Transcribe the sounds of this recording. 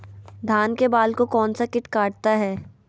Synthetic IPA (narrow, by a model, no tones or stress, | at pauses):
d̪ʱaːnkebaːlkokɔːnsakɪʈkaːʈ̚t̪aɦɛː